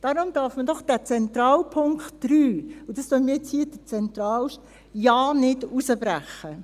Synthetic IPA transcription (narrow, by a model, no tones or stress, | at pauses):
d̥ɑɾʊmd̥ɑːɾfməd̥ɔχd̥æːt͡sɛnt̪ɾɑːlpʰʊŋktd̥ɾyːʊdɑsd̥ɔmiːt͡shiːəd̥ət͡sɛnt̪ɾɑːlʃt | jɑːnɪdusəbɾæχə